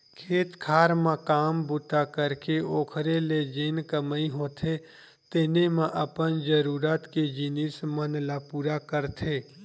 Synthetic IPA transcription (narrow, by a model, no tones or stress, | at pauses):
kʰeːt̪kʰaːɾmãkaːmbʊt̪akəɾkeoːkʰɾeled͡ʒeːnkəməiɦõːt̪ʰe | t̪ɪnemẽʔəpənd͡ʒəɾuːɾat̪ked͡ʒinismənlapuːɾakəɾt̪ʰeː